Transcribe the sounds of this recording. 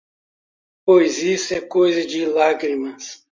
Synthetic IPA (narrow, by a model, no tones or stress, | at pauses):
pojzisʊɛkojzɐd͡ʒɪlaɡɾimɐs